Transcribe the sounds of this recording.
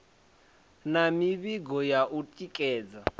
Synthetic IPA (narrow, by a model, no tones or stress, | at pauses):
namiβiɡɔjaʔutʼikʼɛːd͡za